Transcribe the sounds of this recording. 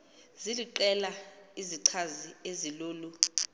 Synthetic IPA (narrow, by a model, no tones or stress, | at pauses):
ziliǃɛlaiziǀʰazieziloːlu